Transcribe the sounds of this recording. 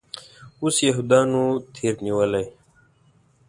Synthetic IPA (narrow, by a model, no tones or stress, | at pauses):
usjeɦud̪aːnut̪ʰiːɾniwɐlaj